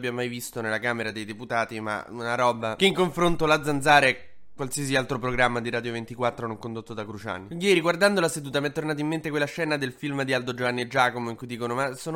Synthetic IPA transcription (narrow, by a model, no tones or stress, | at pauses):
bjammajvist̪onelːakaːmeɾad̪ejd̪eput̪aːt̪ima̰unaɾɔːbakeiŋkoɱfɾont̪olad̪zand̪zaːɾeɛ | kːwalsias̬ialt̪ɾopɾoɡɾamːad̪iɾaːd̪jovent̪ikwat̪ːɾonoŋkond̪ot̪ːod̪akɾut͡ʃa̰ːnːijɛːɾiɡward̪and̪olased̪uːt̪amɛt̪ːornaːt̪̬oimːent̪ekwelaʃɛːnad̪elfilmd̪iald̪od͡ʒovanːeed͡ʒaːkomoiŋkujd̪iːkonomasoːn